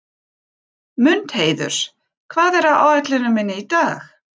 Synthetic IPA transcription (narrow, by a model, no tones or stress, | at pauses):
mʏnt̪heːjðʏ̰ɾ̥ | kʰvaːðɛɾaa̰ːwɛk̪lɪnʏmɪnːɪit̪aːx